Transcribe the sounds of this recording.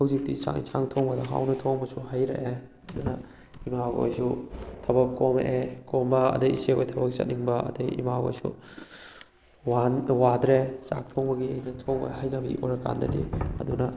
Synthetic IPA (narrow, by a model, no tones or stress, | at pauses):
hɐwzik̚tisa̰sʰaŋtʰoŋbɐdɐɦa̰wnɐtʰoŋbɐsuhajɾɐ̰ʔe | ɐdunɐ | imao̰jsutʰɐbɐkːomʔekombɐɐ̰dɐjiseo̰jtʰɐbɐk̚sɐ̰t̚niŋbɐɐ̰dɐjḭmaɡo̰jsṵ | wanwadɾet͡ʃa̰k̚tʰoŋbɐɡiejnɐtʰoŋbɐ̰ɦajnɐbɐḭʔoɾɐka̰ndɐ̰dḭɐ̰dunɐ